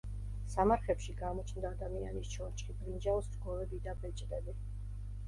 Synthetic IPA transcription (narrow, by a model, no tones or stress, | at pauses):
samaɾχɛpʃiɡamɔt͡ʃʰnd̪aːd̪amianist͡ʃʰɔɾt͡ʃʼχipʼɾind͡ʒaɔsɡɔvɛbid̪abɛt͡ʃʼd̪ɛbi